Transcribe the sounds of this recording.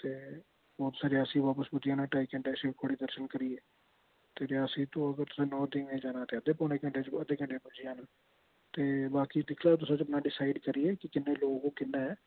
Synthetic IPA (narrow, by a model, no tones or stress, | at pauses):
t̪eː | bɔːt̪saːɾiaːsĩːbaːpəsbʊd͡ʒ̪ɪjaːnãːʈaːikə̃ɳɖeəsiːt̪ʰoːɽiːd̪əɾʃənkəɾiːɛː | t̪eːɾjaːəsĩːt̪õːəɡəɾt̪ʊ̥sãːnɔːd̪ɪːŋẽːd͡ʒaːnaːt̪eːəd̪eːpɔːneːkəɳɖeːt͡ʃəd̪eːkəɳɖeːmʊ̃d͡ʒɪjaːnaː | t̪eːbaːkiːd̪ɪkʰlaːt̪ʊsãːt͡ʃəpnaːɖɪsaːɪɖkəɾiːɛːkɪkɪnːẽːloːɡõːkɪnːaːɛː